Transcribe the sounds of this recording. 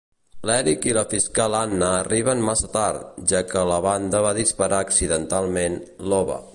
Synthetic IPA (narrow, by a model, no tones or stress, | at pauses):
lɛɾikiləfiskalanːəːriβənmasət̪aɾt̪ʒakələβand̪əβaðispəɾʔaːksiðənt̪alˠmenlɔβə̰